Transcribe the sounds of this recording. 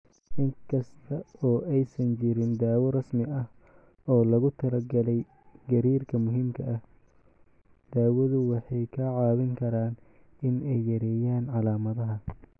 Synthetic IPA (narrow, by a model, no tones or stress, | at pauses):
ʔɪŋkʰɐst̪ʰɐɔːʔɛjsɐnt͡ʃɪɾɪnd̪aːwɔrɐsmɪɐh | ɔːlɐɣʊt̪ʰɐlɐɡɐlɛj | ɡɐɾiːrkʰɐmʊɦiːmkʰɐʔɐh | d̪̥aːwɐðʊwɑħɑjkʰɐʕɑːβɪŋkʰɐɾaːn | ɪnɛjːɐɾɛːjaːnʕɑlaːmɐðɐɦɐ